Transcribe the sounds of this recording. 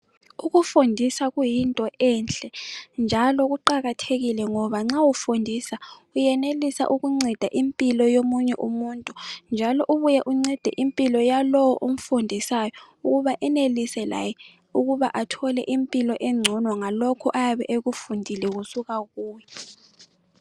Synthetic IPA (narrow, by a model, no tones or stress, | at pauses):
uɣufundʱisaɣujintʼɔʔɛnt͡ɬʼɛnd͡ʒʱalɔɣuǃaɣatʰeɣilɛŋɔβaŋ͡ǁawufundʱisaujɛnelisa̰ʔuɣuŋ͡ǀɛd̥ʱaʔimpʼilɔjomuɲɛʔumuːntʼund͡ʒʱalɔʔuβujɛʔuŋ͡ǀɛd̥ʱɛ̰ʔimpʼilɔjalɔwɔʔom̩fundʱisajɔ | uɣuβaʔɛnelisɛla̰jɛ | uɣuβaʔatʰɔlɛ̰ʔimpʼilɔʔɛŋ͡ǀʱɔnwaŋalokʰɔʔajaβɛ̰ʔeɣufundʱilɛɣusuɣaɣuːjɛ